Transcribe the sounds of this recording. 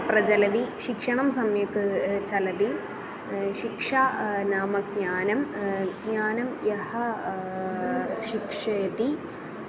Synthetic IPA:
prɐd͡ʑɐlɐd̪iʃikʂɐɳɐmsɐmjɐkːɨt͡ɕɐlɐði | ɕikʂaːnaːmɐɡɲaːnɐmɡɲaːnɐmjɐhɐ | ʃikʂɐjɐt̪i

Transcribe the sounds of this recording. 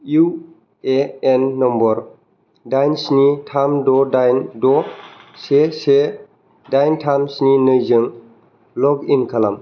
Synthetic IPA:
iu | eenːɔmbɔɾ | dajnsnitʰamdɔdajndɔsese | dajntʰamsninɯjzɯŋ | lɔɡinkʰalam

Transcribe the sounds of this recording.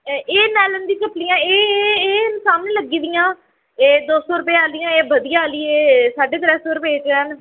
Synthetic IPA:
eːnɛːlənd̪ĩːkəplijãːeːnsaːmnẽːləɡiːd̪ɪjãː | eːd̪oːsɔːɾʊpeːaːlɪjãːeːbəd̪ɪjaːaːliːeːsaːɖeːt̪əɾɛːsɔːɾʊpeːt͡ʃːəːn

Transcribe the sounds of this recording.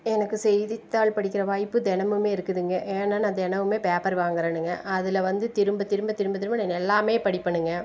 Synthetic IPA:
ɛnɐkːɯsɛjðɪt̪ːaːɭpɐɽɪk̬ʲːɪɾɐʋaːjpːɯd̪ɛnɐmɯmeːɪɾɯkːɯðɯŋɡɐʔeːnaːnad̪ɛnɐmɯmeːpeːpɐɾʋaːŋɡɐɾɐnɯŋɡɐʔɐðɪlɐʋɐnd̪ɯt̪ɪɾɯmbɐt̪ɪɾɯmbɐt̪ɪɾɯmbɐt̪ɪɾɯmbɐnɐnɛlːaːmeːpɐɽɪpːɐɳːɯŋɡɐ

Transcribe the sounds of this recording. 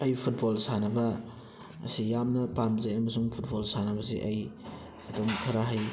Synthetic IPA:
ɐjpʰut̚bolsanɐbɐ̰ː | sijamnɐpamzɐjɐmɐsuŋpʰut̚bolsanɐbɐsiʔɐj | ɐtomkʰɐɾaɦɐj

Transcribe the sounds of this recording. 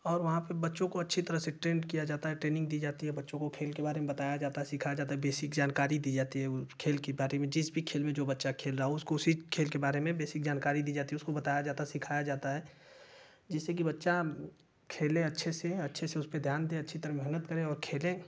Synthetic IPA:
ɔːɾʋɐɦãpebɐtːʃõkoɐtːʃʰit̪ɐɾəɦseʈɾẽːɳɖkijad͡ʒaːt̪aɦɛʈɾeːnɪ̃ŋɡ̚d̪iːd͡ʒaːt̪iɦɛbɐtːʃõkokʰeːlkebaːɾemẽbɐt̪aːjad͡ʒaːt̪aɛsɪkʰaːjad͡ʒaːt̪aɦɛbeːsɪkd͡ʒaːnkaːɾid̪iːd͡ʒaːt̪iɦɛʊkʰeːlkebaːɾemẽd͡ʒɪsbʱikʰeːlmẽd͡ʒoːbɐtːʃakʰeːlɾaːɦɛʊskoʊsikʰeːlkebaːɾemẽbeːsɪk̚d͡ʒaːnkaːɾid̪iːd͡ʒaːt̪iɦɛʊskobɐt̪aːjad͡ʒaːt̪asɪkʰaːjad͡ʒaːt̪aɦɛː | d͡ʒɛːsek̬ibɐtːʃa | kʰeːlẽɐtːʃʰeseɐtːʃʰeseʊsped̪ʱjaːnd̪ẽɐtːʃʰit̪ɐɾəɦmɛɦnət̪kɐɾẽɔːɾkʰeːlẽ

